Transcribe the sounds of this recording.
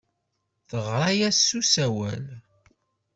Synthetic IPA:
θəʁˤajæsːusæwæl

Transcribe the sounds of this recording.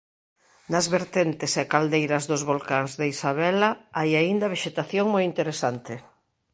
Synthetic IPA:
nɐzβeɾt̪ent̪ɪsekald̪ejɾɐzðʊzβolkaŋzðeisaβɛlaajaind̪ɐβeʃet̪aθjoŋmojint̪eɾesant̪ɪ

